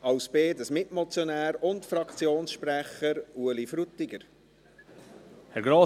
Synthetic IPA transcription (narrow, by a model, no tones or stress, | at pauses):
ɑwsbeːdəsmɪtmɔt͡sjonæːɾʊntfɾɑkt͡sjoːnsʃpɾæχəɾuəlifɾut̪ːɪɡəɾ | hɛɾɡɾoː